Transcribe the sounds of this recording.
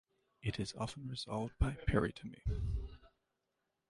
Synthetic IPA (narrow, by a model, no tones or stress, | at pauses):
ɨɾɨzɑ̰fn̩ɹɨz̥ɑ̰lˠvd̚baɪpʰɛɹḭtʰɨmḭ